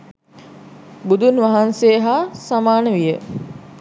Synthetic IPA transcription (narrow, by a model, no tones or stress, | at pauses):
bud̪unʋaɦansejːɦaːsamaːnəʋijə